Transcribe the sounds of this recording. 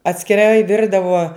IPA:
ɐtʲsʲkʲɪˈrɐɪ ˈʋʲɪrdɐʋoː

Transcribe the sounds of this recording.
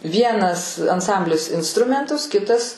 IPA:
ˈʋʲiɛnɐs ɐnˈsɐmʲbʲlʲɪs ɪnsˈtrʊmʲɛntʊs ˈkʲɪtɐs

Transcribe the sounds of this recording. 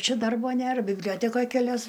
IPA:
ˈt͡ʃʲɛ ˈdɐrboː ˈnʲeːr bʲɪbʲˈlʲoːtʲɛkoːj kʲɛˈlʲɛs

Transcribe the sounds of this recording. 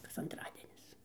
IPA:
kɐs ɐnˈtrɑːdʲiɛnʲɪs

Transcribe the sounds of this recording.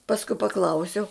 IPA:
pɐsˈkʊɪ pɐˈklˠɐʊsʲɛʊ

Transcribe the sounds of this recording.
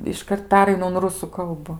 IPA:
ɪʃˈkɐrt ˈpʲæːrɐɪnʊ ʊn ˈrʊsʊ ˈkɐlˠbʊ

